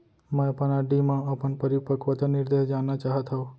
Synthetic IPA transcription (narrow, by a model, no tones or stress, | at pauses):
mə̃pənaɖimãəpəɳpəɾipəkʋət̪anɪɾd̪eɦd͡ʒanːat͡ʃaɦət̪ɦəu